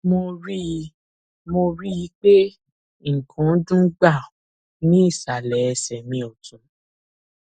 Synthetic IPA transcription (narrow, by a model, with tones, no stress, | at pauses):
mo˧ɾi˦˧ | mo˧ɾi˦ji˧˦k͡pe˦ | ŋ̩˨kʰɔ̃˨˦dũ˦ɡ͡ba˦˨ | nĩ˦i˦˨sa˨lɛ˨ɛ˧sɛ˨mĩ˧ɔ˨tũ˨